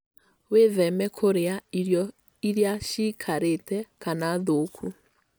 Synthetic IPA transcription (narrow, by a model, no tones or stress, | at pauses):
weðɛmɛkʰoɾeaiɾjɔ | iɾjaʃikʰaɾetɛkanaðokʰu